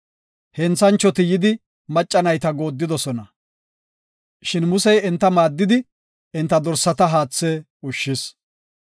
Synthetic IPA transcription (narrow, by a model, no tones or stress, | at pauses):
hɛnt͡sːɐnt͡ʃːɔt̪ɪjɪd̪ɪ | mɐt͡ʃʼːɐnɐjt̪ɐɡo̞ːd̪ːɪd̪ɔsɔnɐ | ʃɪnmʊsɛjɛnt̪ːɐmaːd̪ːɪd̪ɪ | ɛnt̪ːɐd̪ɔɾsːɐt̪ɐɦaːt͡sːɛ | ʊʃːɪs